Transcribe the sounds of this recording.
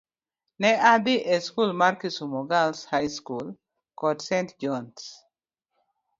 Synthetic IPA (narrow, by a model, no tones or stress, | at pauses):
nɛad̪ɪʔeskulmaɾkisumɔɡalshajskul | kɔdsɛntd͡ʒɔns